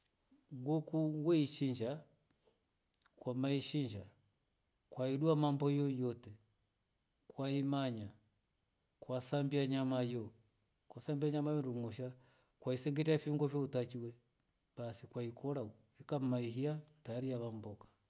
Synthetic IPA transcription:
ŋɡukuwɛiʃiɲd͡ʒa | kwamaiʃiɲd͡ʒa | kwaiɗuamambɔjɔjɔtɛ | kwaimaɲa | kwasambiaɲamajɔ | kwasambiaɲamajɔnduŋuʃa | kwaisɛŋɡɛtɛafiuŋɡɔfjɔutat͡ʃiwɛ | ɓasikwaikɔɾa | ikam̩maiɦiataaɾiaβambɔkḁ

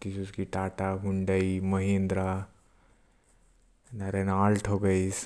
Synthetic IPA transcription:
t̪isuskiʈaʈaɦuɳɖəiməɦind̪ɾa | naɾenalʈʰokəjs

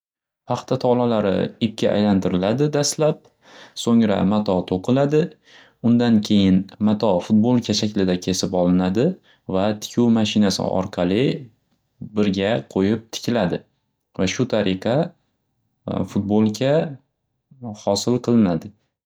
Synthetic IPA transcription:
pʰɑχt̪ʰat̪ʰɒlˠalaɾɪ̰ɪp̚kʲʰaʔa̰jlant̪ʰɪɾɪlad̪ɪd̪aslap̚ | soŋɾa̰mat̪ʰɒt̪ʰoqʰɨlad̪ɪ | ʊnd̪ankʲʰe̞jɪnmat̪ʰɒfʊt̪̚bolˠkʲʰaʃakʲlɪd̪akʲʰe̞sɪpɒlˠɪnad̪ɪ | vat̪ʰɪ̥kʲʰuwmaʃɪnasɪ̰ʔɒ̰ɾqʰɑlˠɪ | bɪɾɡʲaqʰojɪp̚t̪ʰɪ̥kʲʰɪlad̪ɪ | vaʃʊt̪ʰaɾɨqʰɑ | fʊt̪̚bolˠkʲʰa | hɒsɪlˠqʰɨlˠɪnad̪ɪ

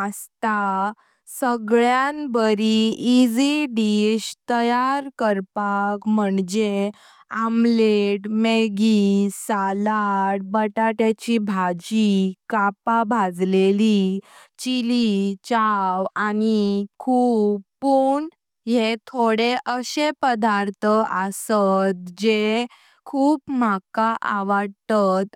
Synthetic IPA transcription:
ast̪a | səɡɭjanbəɾiːd͡ziɖiɕt̪əjaɾkəɾpakməɳd͡ʑe | amleʈmeɡisalaʈ̚bəʈaʈat͡ɕibʱad͡ʑikapabʱad͡zleli | t͡ɕilit͡ɕawanikʰuːppuːɳ | ɦet̪ʰoɽeʔəɕepəd̪aɾt̪ʰəʔəsət̪̚d͡ʑe | kʰuːpmakaʔaʋəɽt̪at̪

